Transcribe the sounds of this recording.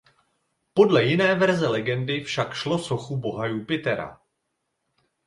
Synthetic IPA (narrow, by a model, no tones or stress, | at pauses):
po̞dlɛjɪnɛːvɛɾzɛlɛɡɛndɪfʃakʃlo̞so̞xubo̞ɦajupɪt̪ɛɾa̰